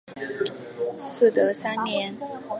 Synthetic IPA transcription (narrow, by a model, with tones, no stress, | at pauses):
sɹ̩˥˩t̪ɤ˧˥sa˥nnjɛ˧˥n